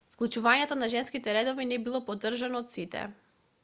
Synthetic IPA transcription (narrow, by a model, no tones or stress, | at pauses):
fklˠut͡ʃuvaɲɛt̪ɔnaʒɛnskit̪ɛɾɛd̪ɔvinɛbilˠɔpɔd̪r̩ʒanɔːt̪sit̪ɛ̰